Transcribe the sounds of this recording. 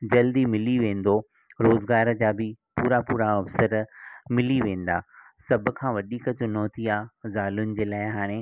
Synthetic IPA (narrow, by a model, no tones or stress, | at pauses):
d͡ʑɐld̪imɪliʋẽːn̆d̪o | ɾoːzɡaːɾəd͡ʑaːbɪpuːɾapuːɾaɐfsəɾmɪliʋẽːn̆d̪a̰ː | sɐbʱʊ̆kʰãːʋɐɗikɐt͡ɕʊn̤oːt̪ʰiaːzaːlʊnɪ̆d͡ʑeːlaːɪɦaːɽ̃ẽ